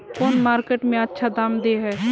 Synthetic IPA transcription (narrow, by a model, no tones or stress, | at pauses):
koːnmaːɾkeːʈmẽətːʃʰad̪aːmd̪eɦɛː